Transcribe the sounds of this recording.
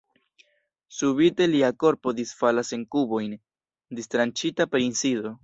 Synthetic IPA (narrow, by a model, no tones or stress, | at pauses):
subite̞liako̞ɾpo̞disfalase̞ŋkubo̞jn | distɾant͡ʃitapeɾinsido̞